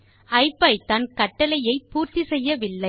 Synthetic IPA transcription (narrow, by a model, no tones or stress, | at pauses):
ɐɪpːɐɪt̪ɐnkɐʈːɐlɐjɐɪpuːrt̪isɛjːɐʋɪlːɐɪ